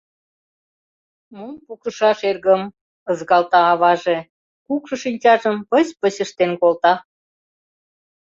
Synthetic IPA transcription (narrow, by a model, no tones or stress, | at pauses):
mumpukəʃɑʃerɣəm | əzɣɑlt̪ɑːβɑʒe | kukʃɤ̆ʃinʲt͡ɕɑʒəmpəspəɕəʃt̪enkolt̪ɑ